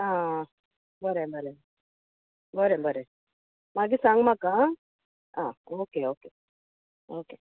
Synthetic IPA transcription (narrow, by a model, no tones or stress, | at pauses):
a | bəɾebəɾe | bəɾebəɾe | maɡisaŋmaka | aokeoke | oke